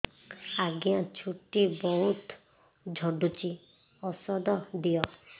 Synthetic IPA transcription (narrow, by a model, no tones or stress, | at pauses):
aɡijãt͡ʃʰuʈibɔɦut̪ | d͡ʒʱɔɖut͡ʃi | ɔsɔd̪ɔd̪ijɔ